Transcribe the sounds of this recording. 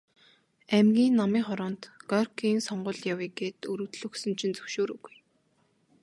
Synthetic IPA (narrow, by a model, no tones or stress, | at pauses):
æmɡʲiːnːamiːχɔɾɔːnt̪ɡ̥ɔrkʰiːnsɔɴɢʊ̆ːɮjawiːɡeːt̪ɵɾɵ̆ːt̪ɮɵ̆ksɵ̆nt͡ɕʰĭnt͡sɵwʃoːɾuɣuj